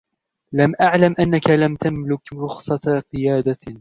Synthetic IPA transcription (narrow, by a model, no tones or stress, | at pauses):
lamʔaʕlamʔanːakalamt̪amlʊkɾʊxsˤɑqɨjaːd̪a